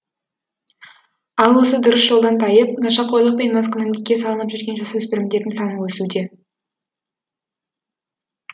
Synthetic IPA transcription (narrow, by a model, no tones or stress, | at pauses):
ɑlˠwosəd̪ʊɾəsʒ̥o̞lˠd̪ɑnt̪ʰɑjəp̚nɑʃɑqʰːo̞jlˠəq̚pe̞nmɑzkʰʲʏnɪmd̪ɪkʲːe̞sɑlˠənəpʒʏɾɡʲe̞nʒɑsɵzpɪɾɪmd̪e̞ɾd̪ɪŋsɑnəwɵsud̪e̞